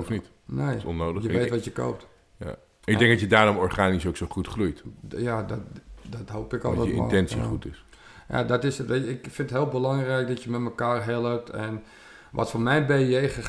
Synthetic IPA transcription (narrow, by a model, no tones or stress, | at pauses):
fnit | nejɔnoːdəjəʋeːtʋɔtjəko̰wp̚t | ja̰ | ɪk̚ɡdɛŋk̚dɔtjədaːɾɔmɔrχaːnisowksowχutχrujtjadɔtdɔtɦowpɪkɔ̰lˠtɛəɪ̰n̰tɛnsiχutɪs | ja̰dɔtɪsʋeɪkfɪntətɦɪːlˠbəlɑŋrɛjk̚dɔtjəmɛtməkaːrɦɛlˠəp̚tʰɛn | ʋɔ̰tfɔnmɛjbejejχə